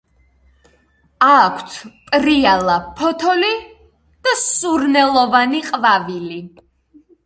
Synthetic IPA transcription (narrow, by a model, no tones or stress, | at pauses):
akʷʰt̪ʰpʼɾialˠapʰɔt̪ʰɔli | d̪̥asuɾnɛlˠɔvaniqʼvavili